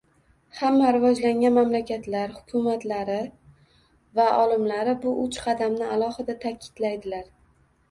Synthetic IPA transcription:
hamːaɾɪvɒd͡ʒlaŋʲanmamlakʲʰat̪laɾhʊ̥kʲʰʊmat̪laɾɪ | vaʔɒlɪmlaɾɪbʊʔʊt͡ʃqʰɑd̪amnɪalˠɒhɨd̪at̪ʰakʲʰɪ̥d̪̥lajd̪ɪlaɾ

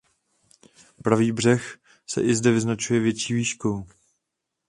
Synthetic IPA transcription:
pɾaviːbr̝ɛx | sɛ̰ʔɪzdɛvɪznat͡ʃujɛvjɛt͡ʃiːviːʃkow

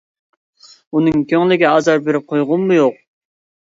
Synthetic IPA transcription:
unɨŋkʲʰøŋlɪɡʲɛɑzɑɾbeɾɪp̚qʰojʁʊnmːujoq̚

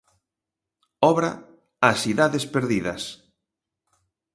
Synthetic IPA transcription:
ɔβɾɐ | asiðaðespeɾðiðɐ̰s

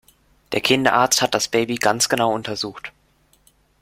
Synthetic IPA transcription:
d̥eːɐkʰɪndɐʔaɐt͡sthat̚d̥asb̥eːbiɡant͡sɡ̥ənaʊʊntʰɐzuːxt

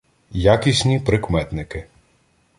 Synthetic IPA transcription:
jakʲisʲnʲipɾɪkmɛt̪nɪkɪ

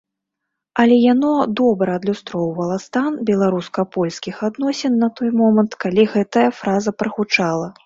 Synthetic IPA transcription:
ɐlʲɛjanɔd̪ɔbɾɐɐd̪lʲust̪ɾɔwvɐlˠɐst̪anbʲɛlˠaɾuskɐpɔlʲskʲixad̪nɔsʲɛnːɐt̪ɔjmɔmɐnt̪kalʲiɣɛt̪ɐjɐfɾazɐpɾɐxut͡ʂalˠɐ

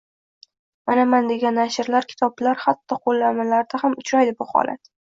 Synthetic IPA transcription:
manamand̪e̞ɡʲanːaʃɪɾlaɾkʲʰɪ̥t̪ʰɒblaɾhat̪ːɒqʰolːaɾmalaɾd̪ahamʊt͡ʃɾajd̪ɪbʊhɒ̰la̰t̪

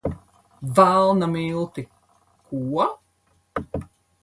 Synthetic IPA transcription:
valˠnameːlˠt̪e | kʰuːa

